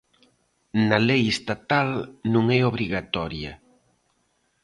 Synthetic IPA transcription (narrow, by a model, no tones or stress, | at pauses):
nɐlejest̪at̪alnũŋɛoβ̞ɾiɣat̪ɔɾjɐ